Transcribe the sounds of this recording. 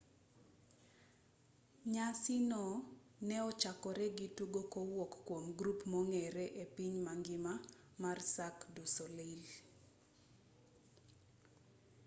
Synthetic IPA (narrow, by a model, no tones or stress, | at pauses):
ɲasinɔ | nɛɔt͡ʃakɔɾɛɡituɡokowokːwomɡɾupmɔŋɛɾɛʔepiɲmaŋɡɪma | marsakdusolil